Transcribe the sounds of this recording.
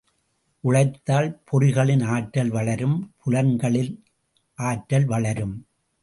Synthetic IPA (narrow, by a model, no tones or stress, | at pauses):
ʔʊɻɐɪt̪ːaːlpʰɔɾɪɣɐɭɪnaːʈːɐlʋɐɭɐɾɯmpʰʊlɐnɡɐɭɪn | ʔaːʈːɐlʋɐɭɐɾɯm